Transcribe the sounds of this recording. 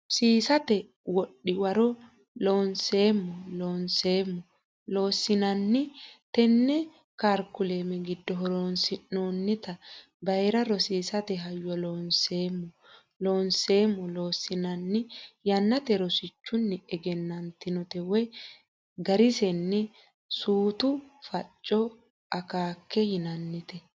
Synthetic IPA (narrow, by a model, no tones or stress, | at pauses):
siːsɐt̪ɛ | wɔɗːɪwɐɾɔ | loːnseːmːɔloːnseːmːɔ | lo̞ːsːɪnɐnːɪt̪ɛnːɛ | kaːɾkːʊle̞ːmɛɡɪd̪ːɔɦɔɾoːnsɪnoːnːɪt̪ɐ | bɐjɾɐɾɔsiːsɐt̪ɛɦɐjːɔloːnseːmːɔ | loːnse̞ːmːɔloːsːɪnɐnːɪjɐnːɐt̪ɛɾɔsɪt͡ʃːʊnːɪɛɡɛnːɐnt̪ɪnɔt̪ɛwɛ | ɡɐɾɪsɛnːɛ | suːt̪ʊfɐt͡ʃʼːɔ | ɐkaːkːɛjɪnɐnːɪt̪ɛ